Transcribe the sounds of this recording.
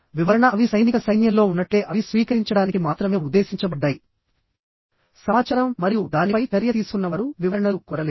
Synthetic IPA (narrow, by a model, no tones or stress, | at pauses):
ʋiʋɐɾɐɳɐɐʋisɐjnikɐsɐjnjɐmlo̞ːunːɐʈːe̞ːʔɐʋisʋiːkɐɾiɲt͡ʃɐɽaːnikimaːt̪ɾɐmeːud̪ːe̞ːsiɲt͡ʃɐbɐɖːaːji | sɐmaːt͡ʃɐːɾɐmːɐɾijud̪aːnipɐjpɐɾjɐt̪iːsu̥kunːɐʋɐɾuʋiʋɐɾɐɳɐlukɔɾɐleː